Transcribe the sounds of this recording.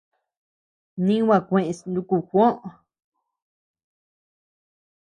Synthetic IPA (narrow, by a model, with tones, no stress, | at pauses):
nĩ˦wã˦˧˨kʷẽ˧˨ʔẽ˧snd̪u˧ku˧˨xʷõ˦ʔ